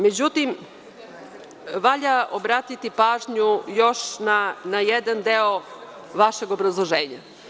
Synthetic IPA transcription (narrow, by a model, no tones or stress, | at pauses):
me̞d͡ʑut̪im | ʋaʎaʔobɾaːt̪it̪ipaːʒɲujo̞ʃnanajed̪and̪eo | ʋaʃe̞ɡo̞bɾazlˠoʒeːɲa